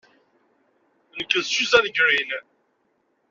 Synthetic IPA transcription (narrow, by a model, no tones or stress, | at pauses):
nəkːəðsuzænɡɾin